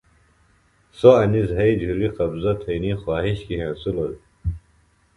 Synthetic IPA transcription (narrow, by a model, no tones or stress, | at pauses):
soɐnizɦɐjd͡ʑʱuɾiqɐbzɐt̪ʰɐinixwaːɦiɕkiɦẽːsulol